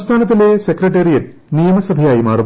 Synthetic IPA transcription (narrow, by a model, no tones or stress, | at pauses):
st̪ʰaːnɐt̪̬ileːsekɾɐʈeɾijɐt | nijɐmɐsɐb̪ʱɐjaːjimaːɾu